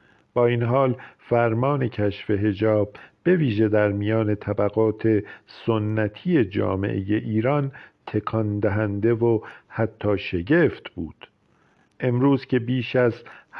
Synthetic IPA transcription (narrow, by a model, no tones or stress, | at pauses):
b̥ɒːiːnɦɒːlfæɾmɒːne̞cʰæʃfe̞ɦe̞d͡ʒɒːb̚ː | e̞viːʒe̞d̪æɾmijɒːne̞t̪ʰæbæɣɒːt̪ʰe̞sonːæt̪ʰije̞d͡ʒɒ̰ːmḛʔeje̞ʔiːɾɒnt̪ʰe̞kʰɒnd̪æɦænd̪e̞vohæt̪ʰːɒːʃe̞ɟe̞ft̪bṵːd̪̥ | ʔe̞mɾuːz̥cʰe̞biːʃæzh